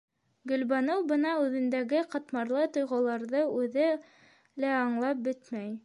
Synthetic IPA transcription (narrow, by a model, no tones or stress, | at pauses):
ɡɵ̆lbɑnɤwbɤnɑʉðɘ̆nd̪æɡɘqɑ̆t̪mɑɾlˠɤt̪ŏjʁɤ̆lˠɑɾðɤʉðɘ | læɑɴlˠɑp̚bɘt̪mæj